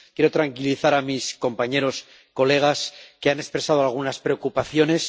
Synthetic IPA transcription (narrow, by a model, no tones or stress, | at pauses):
kje̞ɾo̞t̪ɾaŋkiliθaɾamisko̞mpaɲe̞ɾo̞s | ko̞le̞ɣ̞askeane̞spɾe̞sað̞oalɣ̞unaspɾe̞o̞kupaθjo̞ne̞s